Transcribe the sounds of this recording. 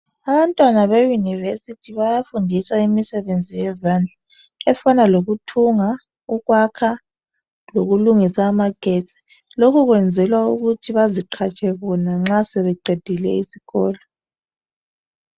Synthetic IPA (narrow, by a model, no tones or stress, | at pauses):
aβantʼwanaβejunivesitʰiβajafundʱiswaimisɛβend͡zʱijɛzand͡ɮʱa | ɛfanaloɣutʰuŋa | uɣwakʰa | loɣuluŋisaːmaɡ̥ʱet͡sʼi̥ | lokʰuɣwɛnd͡zʱɛlwauɣutʰiβaziǃʰat͡ʃʰʼɛɣɔnaŋ͡ǁaseβɛǃʱed̥ʱilɛ̰isiɣɔːlɔ